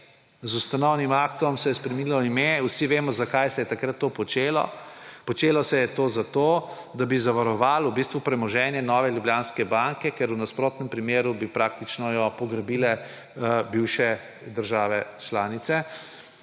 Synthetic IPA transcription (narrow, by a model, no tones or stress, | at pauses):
zust̪anɔwnimakt̪ɔmsɛjɛspɾɛmnilɔimewsiʋeːmɔzakajsɛjɛt̪akɾat̪ːopɔt͡ʃeːlɔ̰pɔt͡ʃeːlɔsɛjɛt̪oːzat̪o | d̪abizaʋaɾɔʋaːlwbist̪ʋupɾɛmɔʒɛːnjɛnɔʋɛljubljaːnskɛbaŋkɛkɛɾunaspɾoːt̪nɛmpɾimeːɾubipɾaːk̚t̪it͡ʃnɔjɔpɔɡɾabiːlɛ | biwʃɛ | d̪əɾʒaːʋɛt͡ʃlaːnit̪sɛ